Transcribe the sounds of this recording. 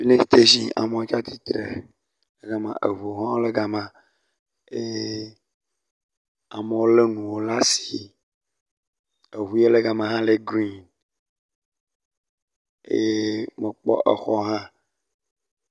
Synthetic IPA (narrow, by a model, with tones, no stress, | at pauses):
vi˦lẽ˦i̥˨t̪e˦zi˦a̰˨mẽ˦o˦t͡ʃa˦t̪i˦t̪ɾḛ˨ | le˦ɡa˨mã̰˨ʔḛ˨vu˨ɦɔ̃˦le˦ɡa˨mã˨ | e˦ | a̰˨me˦wo˦le˦nũ˨wo˦la˦si̥˨ | e˨βu˨je˦le˦ɡa˨mã˨ɦã˦le˦˨ɡɾi˦n | ḛ˦me˨k͡pɔ̰˦ʔe˨xɔ˦ɦã˦